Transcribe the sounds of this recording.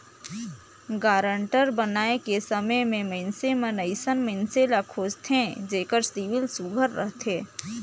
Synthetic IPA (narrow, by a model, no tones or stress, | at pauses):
ɡaːɾəɳʈəɾbənaːekesəməjmẽməɪnsemənəɪsənməɪnselakʰoːst̪ʰẽd͡ʒeːkəɾsiʋɪlsʊɡʱəɾːə̰ɦt̪ʰeː